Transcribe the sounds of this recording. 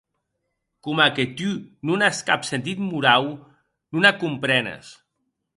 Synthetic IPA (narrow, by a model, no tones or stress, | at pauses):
kumaket̪ynunaskapsent̪̬it̪muɾaw | nunakumpɾɛnə̰s